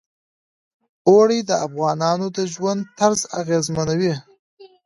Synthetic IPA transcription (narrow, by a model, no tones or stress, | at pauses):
oɽid̪əafɣɑnɑnod̪əʒwand̪̚t̪aɾzaɣezmanawi